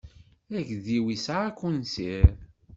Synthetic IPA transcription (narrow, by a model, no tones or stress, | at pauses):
æʝðiwisaʕakːunsiɾ